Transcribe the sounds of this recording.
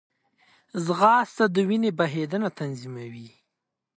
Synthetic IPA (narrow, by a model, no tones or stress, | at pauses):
zɣɑst̪ad̪əwinebaɦed̪ənat̪anzimawi